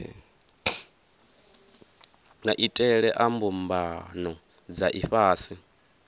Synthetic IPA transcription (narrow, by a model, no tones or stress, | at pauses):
ŋaʔitʼɛɺɛʔambumbanɔ | d͡zaʔiɸaːsi